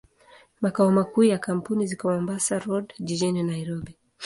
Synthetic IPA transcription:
makaɔmakuːjakam̩punizikɔmɔmbasaɾɔdd͡ʒid͡ʒininaiɾɔbi

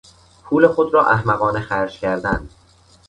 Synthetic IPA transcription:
pʰuːle̞xod̪ɾɒːʔæhmæɣɒːnexæɾd͡ʒcʰæɾd̪ænd̪̥

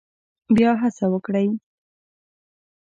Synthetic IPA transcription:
bjɑɦasawəkɽəj

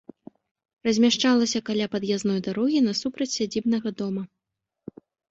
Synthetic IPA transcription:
rɐzʲmʲaʂt͡ʂalˠɐsʲɐkalʲapɐd̪jaznɔjd̪aɾɔɣʲinɐsupɾɐt͡sʲsʲad͡zʲibnɐɣɐd̪ɔmɐ

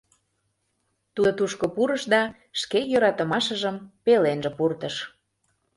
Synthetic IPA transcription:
t̪ut̪uʃkopuɾəʃd̪ɑ | ʃkejøɾɑt̪ə̆mɑʃəʒəmpelenʒĕpurt̪əʃ

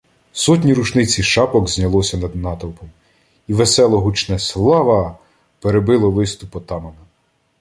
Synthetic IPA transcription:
sɔtʲnʲiɾut͡ʃnɪt͡sʲiʃɑpɔɡzʲnʲɐlˠɔsʲɐnɐd̪nɑt̪ɔwˠpɔm | iʋesɛlˠɔɦut͡ʃnɛslˠɑʋɐ | peɾebɪlˠɔʋɪst̪ʊpɔt̪ɑmɐmɪ

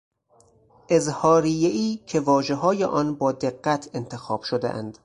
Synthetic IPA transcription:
ʔe̞zhɒːɾijeiːcʰe̞vɒːʒeɦɒːjeʔɒːnbɒːd̪eɢːæt̪ʰe̞nt̪ʰe̞xɒːb̥ʃod̪ḛʔæ̰nd̪̥

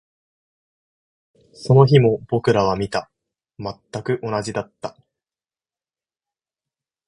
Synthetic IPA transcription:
so̞no̞çimo̞bo̞kɯ̟ɾaβamʲit̪a | mat̪ːakɯ̟ʔo̞naʑid̪at̪ːa

